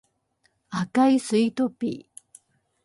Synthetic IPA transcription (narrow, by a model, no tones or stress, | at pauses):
akajsɨit̪opḭ